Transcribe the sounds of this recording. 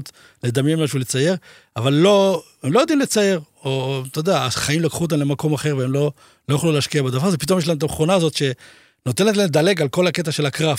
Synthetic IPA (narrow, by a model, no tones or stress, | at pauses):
t̪ | le̞d̪amjenmaʃulet͡saje̞ʁ | avalːo̞ | emlo̞jod̪imlet͡saje̞ʁomt̪od̪eaχaimlokχuot̪̬amnle̞mako̞maχe̞ʁveemlo̞ | lo̞jaχluleːʃkiabed̪avaʁzepito̞mjeʃlaemt̪amχonaːzo̞t̪ʃe̞ | not̪ent̪laemd̪ale̞ɡalko̞lhake̞t̪̬aʃe̞lakʁaf